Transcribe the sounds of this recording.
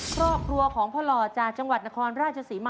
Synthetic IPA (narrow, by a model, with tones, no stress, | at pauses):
kʰɾɔː˥˩p̚kʰɾu˧ɐkʰɔː˩˦ŋpʰɔ˧lɔː˧t͡ɕaː˨˩k̚t͡ɕa˧ŋwa˨˩t̪̚na˥kʰɔː˧nɾaː˥˩t̪̚t͡ɕʰa˧siː˩˦ma˧